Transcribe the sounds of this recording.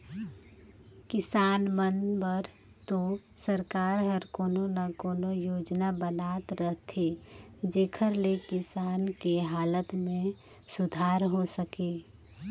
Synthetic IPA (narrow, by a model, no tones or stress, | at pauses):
kɪsaːnmənbəɾ | t̪osəɾkaːɾɦəɾkoːnonakoːnojoːd͡ʒnabənaːt̪ɾəɦt̪ʰed͡ʒeːkʰəɾlekɪsaːnkeɦaːlət̪mẽ | sʊd̪ʱaːɾɦosəkeː